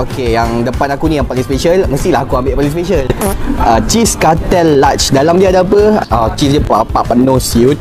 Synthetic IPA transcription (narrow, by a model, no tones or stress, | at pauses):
okejaŋdəpanakunĩjãŋpaliŋspeʃəlməst̪ilahakuambeʔpaliŋspeʃələt͡ʃiskat̪ɛlːat͡ʃdalamdiadaapəat͡ʃis̬dipapaʔpənosiut̪̚